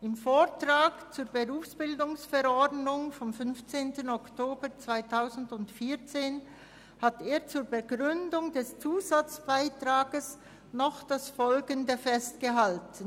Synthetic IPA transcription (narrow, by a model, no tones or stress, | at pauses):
ʔɪmfoːʁtʁaːkt͡suːbəʁuːfsb̥ɪldʊŋsfɛɾɔɐdnʊŋfɔmfʏnft͡seːntənɔktʰoːbət͡sv̥aɪtʰaʊzn̩dʊntfiːɐt͡seːn | hateːt͡suːɾbəɡʁʏndʊŋdɛst͡suːzat͡sb̥aɪtʁaːɡəs | nɔχd̥asfɔlɡəndəfɛstɡ̥əɦaltən̩